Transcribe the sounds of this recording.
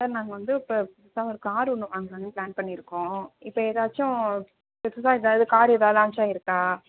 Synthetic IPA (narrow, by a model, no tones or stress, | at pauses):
ɐnaːŋɡɐʋɐnd̪ɯpɐ | saːʋɔɾɯkːɯaːɾɯʊɳːɯʋaːŋɡɐʋɐnd̪ɯplaːnpɐɳːɪɾɯkːõːɪpːɐeːðaːt͡ʃːʊ̃ | pɛsɯsãːɛðaːðɯkaːɾɛðaːðãːɐmt͡ʃːaːɪɾɯkːaː